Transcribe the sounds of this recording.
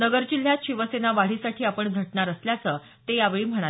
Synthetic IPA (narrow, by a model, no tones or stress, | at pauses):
nəɡəɾd͡ʑil̤ːjat̪ɕiʋəsenaʋaɭisaʈʰiːapəɳɡʱəʈɳaɾəsljat͡səː | t̪ejaʋeɭiːm̤əɽ̃a